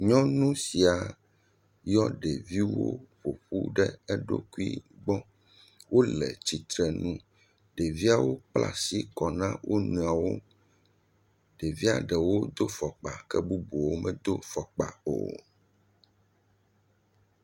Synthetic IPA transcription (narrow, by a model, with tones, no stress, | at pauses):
ɲɔ̃˦nũ˦si˨a˨ | jɔ˦ɖɛ˨vi˦wo̰˦ɸo˨ɸṵ˦ɖɛ˦ɛ˦ɖo̰˦ku˦ḭ˦ɡ͡bɔ̃˦ | wʔo˦lɛ̰˨t͡ɕi˨t̪ɾɛ˨nũ˦ | ɖe˨vi˦a˨wo˦k͡pla̰˨si˦kɔ˨nã˦wʔo˦nũ˨a˨wo˦ | ɖe˨vi˦a̰˨ɖɛ˨wo˦d̪o˦fɔ˨k͡pa˨kɛ˦bu˦bo˨wo˦mɛ̃˦d̪o˦fɔ˨k͡pa̰˨o̰˨